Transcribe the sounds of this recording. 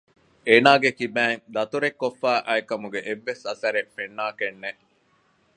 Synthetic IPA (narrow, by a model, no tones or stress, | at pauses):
eːnaːɡekibæːŋd̪ɐt̪uɾekːofːæːʔɐekɐmuɡeʔeʋːesɐsɐɾefenːaːkenːe